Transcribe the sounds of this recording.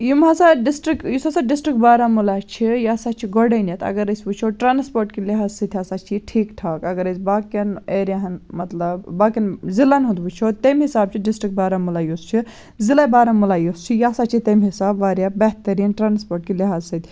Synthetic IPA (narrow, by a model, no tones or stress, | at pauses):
jumɦasaɖisʈɾikjusɐsaɖisʈɾikbaːɾamulat͡ʃʰijaːsat͡ʃʰiɡoɖɐnjɐt̪ɐ̰ɡɐɾɐsʲbut͡ʃʰoʈɾaːnspoːɾʈkiliɦaːzsɐt̪ʰʲasat͡ʃʰiʈʰiːkʈʰaːkɐɡɐɾɐsʲbaːkɐneːɾjaɦɐnmɐt̪lɐbbaːkɐnzilɐnɦut̪but͡ʃʰoːt̪emɦisaːb̚t͡ʃʰiɖisʈɾik̚baːɾamulaːjoːst͡ʃʰi | zilɐbaːɾamulaːjost͡ʃʰijaːsaːt͡ʃʰit̪ɐmɦisaːbʋaːɾjabɐɦt̪ɐɾiːnʈɾaːnspoːɾʈkiliɦaːzsɐt̪ʰ